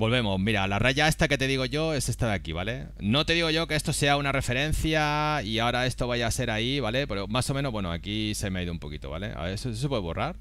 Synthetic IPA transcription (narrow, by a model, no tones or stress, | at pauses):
bo̞lβe̞mo̞zmiɾalaraʝae̞st̪ake̞t̪e̞ðiɣo̞ʝo̞e̞se̞st̪aðakiβale̞ | no̞t̪e̞ðiɣo̞ʝo̞ke̞est̪o̞se̞aunare̞fe̞ɾe̞nθjaiaoɾae̞st̪o̞βajase̞ɾaiβale̞peɾomaso̞meno̞βwe̞noa̰kisemeaiðoumpo̞kit̪oβa̰le̞̰a̰esos̬epweðo̰raɾ